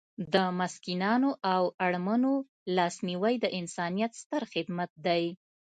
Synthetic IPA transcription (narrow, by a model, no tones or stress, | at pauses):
d̪əmaskinɑnoʔawaɽmano | lɑsniwajd̪əʔɪnsɑnijat̪st̪əɾxɪd̪mat̪̚d̪aj